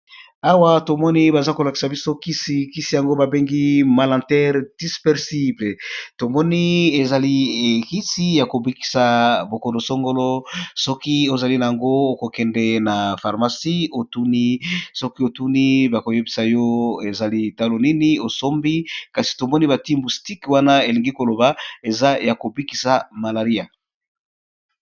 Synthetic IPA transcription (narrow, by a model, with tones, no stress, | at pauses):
a˦wa˦to˨mɔ˦ni˦ba˨za˦ko˨la˨ki̥˨sa˨bi˦so˦ki˦si˦ki˦si˦ja˨ŋɡo˦ba˨be˦ŋɡi˦ma˨lã˨tɛ˦ʁd̥i˦spɛ˦ʁsi˦ble˨to˨mɔ˦ni˦e˨za˨li˦˨ki˦si˦ja˨ko˨bi˦ki̥˨sa˨bo˨ko˨ndo˨so˦ŋɡo˦lo˦sɔ˦ki˦o˦za˨li˦na˨ja˨ŋɡo˦o˨ko˨kɛ˨ndɛ˦na˨fa˨ʁma˨si˦o˨tu˦ni˦sɔ˦ki˦o˨tu˦ni˦ba˨ko˨je˦bi˨sa˨jɔ˦e˨za˨li˦˨ta˦lo˨ni˦ni˦o˨so˦mbi˦ka˨si̥˨to˨mɔ˦ni˦βa˨ti˦mbu˨sti˦kwa˦na˦e˨li˨ŋɡi˦ko˨lo˨ba˨e˨za˦ja˨ko˨bi˦ki˨sa˨ma˨la˨ʁi˦a˨